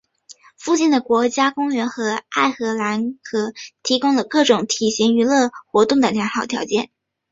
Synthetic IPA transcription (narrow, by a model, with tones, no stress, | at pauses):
fu˥˧t͡ɕi˥˩nd̪ə˩kwɔ˧˥t͡ɕja˥kʊ˥ŋɥɛ˧˥nxɤ˧˥a˥˩ɪxɤ˧˥la˧˥nkʰɤ˨˩t̪ʰi˧˥kʊ˥ŋlə˨kɤ˥˩ʈ͡ʂʊ˨˩˥ŋt̪ʰi˨˩ɕi˧˥ŋy˧˥lɤ˥˩xwɔ˧˥t̪ʊ˥˩ŋd̪ə˩ljɑ˧˥ŋxɑ˨˩ʊt̪ʰjɑ˧˥ʊt͡ɕjɛ˥˩n